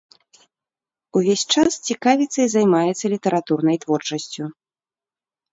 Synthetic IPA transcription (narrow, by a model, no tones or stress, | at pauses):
uvʲesʲt͡ʂast͡sʲikavʲit̪sɐjzajmajɛt̪sːɐlʲit̪ɛɾat̪urnɐjt̪vɔrt͡ʂɐsʲt͡sʲu